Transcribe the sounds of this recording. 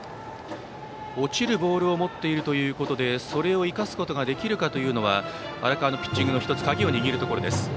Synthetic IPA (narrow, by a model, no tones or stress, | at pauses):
o̞t͡ɕiɾɯ̟bo̞ːɾɯ̟o̞mo̞t̪ːe̞iɾɯ̟t̪o̞jɯ̟ːko̞t̪o̞d̪e̞so̞ɾe̞o̞ikasɨ̥ko̞t̪o̞ɡad̪e̞kʲiɾɯ̟kat̪o̞jɯ̟ːno̞β̞aβa̰ɾakaːnopʲi̥t͡ɕːĩŋɡɯnoçi̥t̪ot͡sɨ̥k̪aɡʲio̞ɲ̟iɡʲiɾɯ̟t̪o̞ko̞ɾo̞d̪esɨ̥